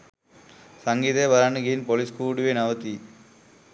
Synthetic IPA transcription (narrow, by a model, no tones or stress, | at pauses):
sɐŋɡit̪ebɐɾaɳɯɡiinpoliskuːɖʋenɐʋɐt̪i